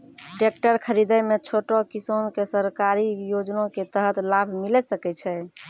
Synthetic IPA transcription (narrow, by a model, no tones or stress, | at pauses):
ɖek̚ʈəɾkʰəɾid̪ɛmet͡ʃʰoʈokisonkesəɾkaɾijod͡ʒnõket̪əɦət̪labʱmilɛsəkɛt͡ʃʰɛ